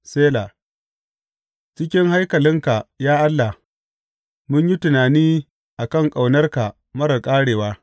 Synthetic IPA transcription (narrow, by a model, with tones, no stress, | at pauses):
seː˦la˨ | t͡ʃɪ˦kʲɪ˦ŋɦa˦jkɐ˨lɪ˦ŋka˨jaː˦ʔa˦lːa˨h | mʊ˦ɲji˦tʊ˨naː˨niː˦ | ʔa˨kɐ˦˨ŋkʼa˨wnɐ˦rka˨ | mɐ˦ɾɐ˨kʼaː˦ɽeː˨waː˦